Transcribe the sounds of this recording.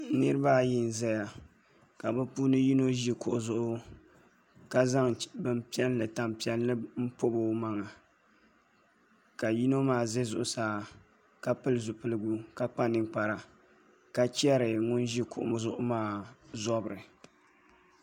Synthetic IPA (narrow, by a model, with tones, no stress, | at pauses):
nɨ˦ɾɨ˦ba˦ji˦n˨zɛ˦ja˨ | ka˨bɨ˦puː˦nɨ˦ji˦no˦ʒi˦kʊ˨ʔʊ˨zʊ˦ʔʊ˦ | ka˦za˦ŋbɨ˦mpi˦ɛ˦llɨ˨ta˨mpi˦ɛ˦lːɨ˦m̩˦po˦bo˦ma˦ŋa˨ | ka˨ji˦no˦maː˦˨ze˦zʊ̰˨ʔʊ˨saː˦ | ka˦pɨ˦lɨ˨zʊ˨pɨ˦lɨ˦ɡu˦ka˦k͡pa˦nɨ˨ŋk͡pa˨ɾa˨ | ka˦t͡ʃɛ˦ɾɨ˨ŋʊ˦nʒi˦kʊ̰˨ʔʊ̰˨zʊ˦ʔʊ˦maː˦zɔ˦bɨ˨ɾɨ˨